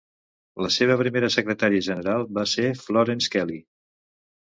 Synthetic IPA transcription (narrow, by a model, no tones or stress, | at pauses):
ləseβ̞əpɾimeɾəsəkɾət̪aɾiəʒənəɾalˠbasefloɾenskɛli